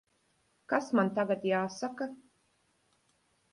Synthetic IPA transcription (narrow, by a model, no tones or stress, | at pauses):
kasmant̪aɡat̪jaːsaka